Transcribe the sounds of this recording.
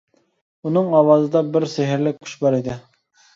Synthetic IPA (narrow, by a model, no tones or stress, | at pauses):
unɨŋɑwɑːzɨd̪ɑbɪɾsɪɦɪɾlɪk̚ʲʰːy̥ʃbɑɾid̪ɪ